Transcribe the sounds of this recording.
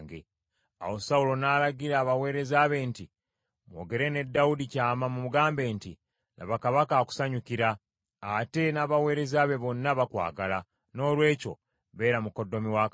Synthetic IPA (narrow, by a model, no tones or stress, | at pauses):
ŋɡḛ | a̰wo̞saulo̞naːlaɡiɾaːβawe̞ːɾe̞zaːβe̞ːnti | mwo̞̰ːɡe̞ɾe̞ne̞dːawudicaːmamumuɡaːmbe̞ːntḭ | la̰βakaβakaːku̥saɲukiɾaː | te̞naːβawe̞ːɾe̞zaβe̞βo̞nːaβakwa̰ːɡala | no̞ːlwe̞ːco̞̰ | βe̞ːɾamuko̞dːo̞miwak